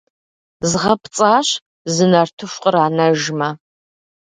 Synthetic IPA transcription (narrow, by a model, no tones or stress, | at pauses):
zʁɐpʰt͡sʼaːɕ | zɨnɐrtʰɨɕʷqʼəɾaːnɐʒmɐ